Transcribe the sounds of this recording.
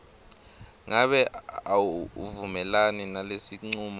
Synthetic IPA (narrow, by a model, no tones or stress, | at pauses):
ŋaɓɛawvumɛlaninalesiŋ͡ǀuːma